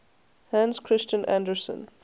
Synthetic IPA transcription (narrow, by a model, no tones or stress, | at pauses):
hæ̃nskʰɹɪst͡ʃə̃nʔæ̰̃ndəɹsə̰̃n